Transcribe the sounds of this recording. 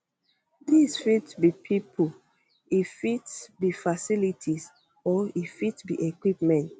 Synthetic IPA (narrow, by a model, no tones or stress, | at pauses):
disfitbipʰipʰu | ifitbifasilitʰis | ɔifitbiʔekwipmɛ̃nt